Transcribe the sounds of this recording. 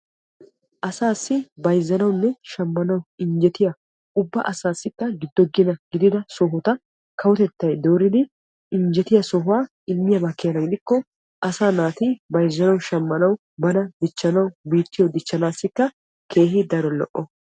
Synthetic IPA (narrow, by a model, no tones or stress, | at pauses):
ʔɐsaːsːɪbɐjzːɐnɐwnːɛʃɐmːɐnɐwɪɲd͡ʒɛt̪ɪjɐ | ʊbːɐʔɐsaːsːɪkːɐɡɪd̪ːɔɡɪnɐɡɪd̪ɪd̪ɐsɔɦʊt̪ɐ | kʰɐwɔt̪ɛt̪ːɐjd̪oːɾɪd̪ɪ | ɪɲd͡ʒɛt̪ɪjɐsɔɦʊwaː | ɪlmɪjɐbɐkːɪjɐnɐɡɪd̪ɪkːɔ | ʔɐsaːnaːt̪ɪbɐjzːɐnɐwʃɐmːɐnɐw | bɐnɐd̪ɪt͡ʃːɐnɐwbiːt̪ːɪjɔd̪ɪt͡ʃːɐnaːsːɪkːɐ | kʰe̞ːɦɪd̪ɐɾɔlɔ̰ʔːɔ